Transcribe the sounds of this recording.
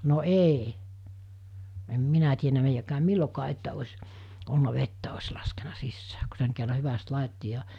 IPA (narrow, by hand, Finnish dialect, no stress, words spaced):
no eˑi em minæ tienæ meijækæːm milːokɑː etːæ osʲ olːu̥nɑ ʋetːæ os lɑskenɑ sisːæː ku seŋ kerːɑ hyʋæst lɑˑitːi jɑ